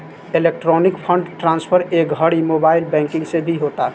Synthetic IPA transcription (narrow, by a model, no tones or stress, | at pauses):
elek̚ʈɾɔnikpʰəɳɖʈɾãnspʰəɾekəɽimobaɪlbɛ̃ŋkɪ̃ŋɡsẽbʱiɦot̪a